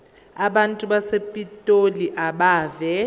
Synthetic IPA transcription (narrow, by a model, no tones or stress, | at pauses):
aɓantʼuɓasepʼitʼoliʔaɓaːvɛ